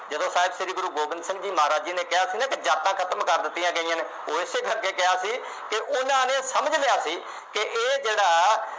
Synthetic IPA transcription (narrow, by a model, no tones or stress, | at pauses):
d͡ʒəd̪õːsaːɪbsɪɾiːɡʊɾuːɡoːbənd̪sɪ̃ŋɡd͡ʒiːmaːɾaːd͡ʒiːneːkɪɦaːsiːnãːked͡ʒaːt̪ãːkʰət̪əmkəɾd̪ɪt̪ːɪjãːɡəiːãːneː | oːɪseːkəɾkeːkɪɦaːsiː | kɪʔʊnãːneːsəməd͡ʒlɪjaːsiː | kɪʔeːd͡ʒeːɽaː